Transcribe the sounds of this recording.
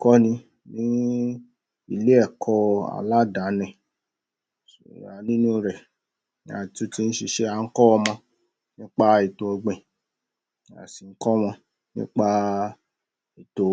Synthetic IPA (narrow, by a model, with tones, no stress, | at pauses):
kɔ˦nĩ˧ | nĩ˦ | i˧˨le˦ɛ˦˨kʰɔ˧a̰˨la˦da˨˦nɛ̃˨ | a˨nĩ˦nũ˦˧ɾɛ˨ | n˦a̰˨tu˦ti˧˦ñ̩˦ʃi˧ʃe˦a˨˧ŋ̩˦kɔ˦ɔ˧mɔ̃˧ | nĩ˦k͡pa˦i˨to˧o˧ɡ͡bẽ˨ | a̰˨si˨ŋ̩˦kɔ˦m̃ɔ̃˧ | nḭ̃˦k͡pa˦ | i˨to˨